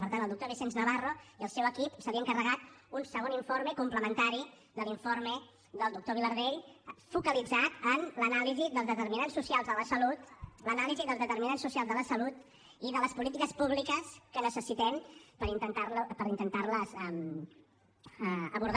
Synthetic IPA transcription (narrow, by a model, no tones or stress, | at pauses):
pəɾt̪antːəlˠd̪ukt̪oβ̞isenznəβaroiəlˠsɛwəkipsəβiəŋkərəɣat̪unsəɣoniɱfoɾməkumpləmənt̪aɾi | ðəliɱfoɾmə | d̪əlˠd̪uk̚t̪oβ̞iləɾðeʎfukəlid͡zat̪ənlənaliziðəlˠzðət̪əɾminansːusialˠzðələsəlut̪lənaliziðəlˠzðət̪əɾminansːusialzðələsəlut̪ | iðələspulit̪ikəspuβlikəskənəsəsit̪ɛmpəɾint̪ənt̪arlpəɾint̪ənt̪arləzɛm | əəβuɾð